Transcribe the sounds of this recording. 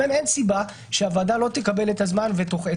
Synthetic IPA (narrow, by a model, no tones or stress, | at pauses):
eme̞nsiba | ʃeavaːd̪alo̞t̪ekabe̞let̪azmanvet̪o̞χe